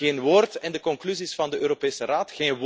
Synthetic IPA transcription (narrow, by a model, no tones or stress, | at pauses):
eːnʋoːrtɛndəkɔŋklyzisfɑndəʔøːɾopeːsəraːtxeːn